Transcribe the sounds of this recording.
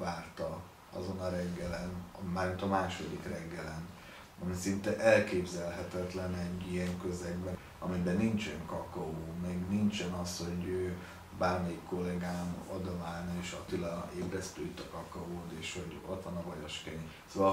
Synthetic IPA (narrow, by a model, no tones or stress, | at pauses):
vaːrt̪ɒ | ɒ̰zo̞nɒɾɛɡːɛlɛnmaːrmint̪ɒmaːʃod̪ikrɛɡːɛlɛn | ɒmisint̪ɛʔɛlkeːbzɛlɦɛt̪ɛt̪lɛnɛɟːiɛŋkø̞zɛɡ̚bɛ | ɒmibɛnint͡ʃɛŋkɒkɒoːmɛɡnint͡ʃɛnɒsho̞ɟøː | baːrmɛikːo̞lːɛɡaːmo̰d̪omaːlneːʃɒt̪ilɒeːbɾɛst̪øːit̪ːɒkɒkɒɦoːt̪eːʃho̞ɟot̪ʋɒnɒvɒjɔʃkɛɲi | soːʋɒ